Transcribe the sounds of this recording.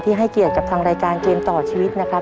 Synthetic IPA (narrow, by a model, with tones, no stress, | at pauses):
t̪ʰiː˥˩ɦa˥˩jki˨˩ət̪̚ka˨˩p̚t̪ʰaː˧ŋɾaː˧jkaː˧nkeː˧mt̪ɔː˨˩t͡ɕʰiː˧wi˦˥t̪̚na˦˥kʰa˦˥